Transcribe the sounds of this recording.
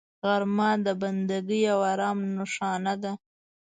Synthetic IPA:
ɣaɾmɑd̪əband̪aɡəjawaɾɑːmnʊʂɑnad̪a

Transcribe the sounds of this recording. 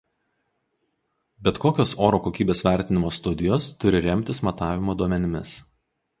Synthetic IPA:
bʲɛt̪koːkʲoːsoːɾoːkoːkʲiːbʲeːsʋʲæˑɾʲt̪ʲɪnʲɪmoːst̪ʊd̪ʲɪjoːst̪ʊɾʲɪɾʲɛmʲt̪ʲɪsmɐt̪ɑːʋʲɪmoːd̪uɔmʲɛnʲɪmʲɪs

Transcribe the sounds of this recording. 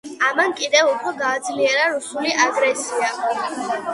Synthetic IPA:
amankʼid̪ɛvupʰɾɔɡaːd̪zliɛɾaɾusuliʔaɡɾɛsia

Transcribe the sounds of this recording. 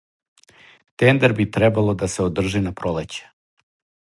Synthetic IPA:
t̪end̪eɾbit̪ɾɛbalod̪aseod̪r̩ʒinapɾolet͡ɕe̥

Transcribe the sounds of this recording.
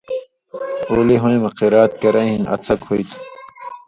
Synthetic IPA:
oːliɦõĩmɐqiɾaːt̪̚kɐɾɐ̃inɐ̰t͡sʰɐkʰoit̪ʰu̥

